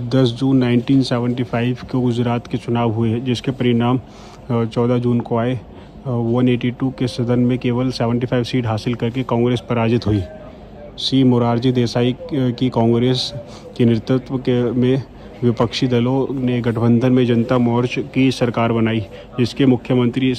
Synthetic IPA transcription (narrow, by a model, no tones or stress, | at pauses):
d̪ɐsd͡ʒuːnːaːɪ̃ɳʈiːnseːʋə̃ɳʈipʰaːɪʋkoɡʊd͡ʒɾaːt̪ket͡ʃʊnaːʋɦʊed͡ʒɪskepɐɾɪɽaːm | t͡ʃɔːd̪ad͡ʒuːnkoaːe | ʋɐneːʈiʈukesɐd̪ənmẽkeːʋəlseːʋə̃ɳʈifʰaːɪʋsiːʈɦaːsɪlkɐɾkekɔ̃ːŋɡɾeːspɐɾaːd͡ʒɪt̪ɦuiː | siːmʊɾaːɾd͡ʒid̪eːsaːikikɔ̃ːŋɡɾeːs | kenɪɾɪt̪ʊt̪ʋəmẽ | ʋɪpəkʃid̪ɐloneɡɐʈʰəbə̃nd̪ʱənmẽd͡ʒɐnt̪amɔːɾd͡ʒkisɐɾkaːɾbɐnaːi | d͡ʒɪskemʊkʰːjəmə̃nt̪ɾi